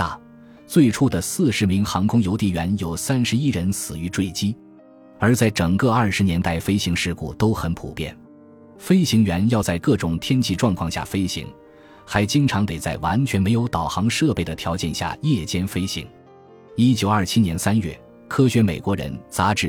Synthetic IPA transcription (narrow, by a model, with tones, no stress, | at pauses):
a˥˩ | t͡swe˥˧ɪʈ͡ʂʰu˥˩d̪ə˩sɹ̩˥˩ʂɻ̩˧˥mi˧˥ŋxɑ˧˥ŋkʰʊ˥ŋjo˧˥ʊt̪i˥˩ɥɛ˧˥njo˨˩ʊsa˥nʂɻ̩˧˥i˥ɻə˧˥nsɹ̩˨˩y˧˥ʈ͡ʂwe˥˩ɪt͡ɕi˥ | ə˞˧˥t͡sa˥˩ɪʈ͡ʂɤ˨˩ŋkɤ˥˧ɐ˞˥˩ʂɻ̩˧˥njɛ˧˥nt̪a˥˩ɪfe˥ɪɕi˧˥ŋʂɻ̩˥˧kṵ˥˩t̪o˥ʊxə˧˥npʰṵ˨˩pjɛ̰˥˩n | fe˥ɪɕi˧˥ŋɥɛ˧˥njɑ˥˧ʊt͡sa˥˧ɪkɤ˥˩ʈ͡ʂʊ˨˩ŋt̪ʰjɛ˥nt͡ɕʰi˥˧ʈ͡ʂwɑ˥˧ŋkʰwɑ˥˧ŋɕja̰˥˩fe˥ɪɕḭ˧˥ŋ | xa˧˥ɪt͡ɕi˥ŋʈ͡ʂʰɑ˧˥ŋt̪e˨˩ɪt͡sa˥˩ɪwa˧˥nt͡ɕʰɥɛ˧˥nme˧˥ɪjo˧˥ʊt̪ɑ˨˩ʊxɑ˧˥ŋʂɤ˥˧pe˥˩ɪd̪ə˩t̪ʰjɑ˧˥ʊt͡ɕjɛ˥˩nɕja̰˥˩jɛ˥˩t͡ɕjɛ˥nfe˥ɪɕḭ˧˥ŋ | i˥t͡ɕjo˨˩ʊɐ˞˥˩t͡ɕʰi˥njɛ˧˥nsa˥nɥɛ̰˥˩ | kʰɤ˥ɕɥɛ˧˥me˨˩ɪkwɔ˧˥ɻə̰˧˥nt͡sa˧˥ʈ͡ʂɻ̩˥˩